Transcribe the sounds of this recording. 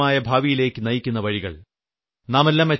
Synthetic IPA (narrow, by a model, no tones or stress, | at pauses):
aːjɐbʱaːʋijile̞ːkːɨnɐjikʲːunːɐʋɐɻiɣɐ̰ɭ | naːmelːaːme